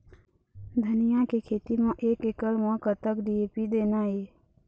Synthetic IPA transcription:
d̪ʱənɪjãkekʰeːt̪imãʔeːkɪkəlmãkət̪əkɖieːpid̪eːnaɦeː

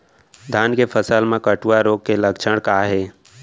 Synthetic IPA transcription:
d̪ʱaːnkepʰəsəlmẽkəʈuaɾoːɡ̚keləkt͡ʃʰəɽ̃kaːɦeː

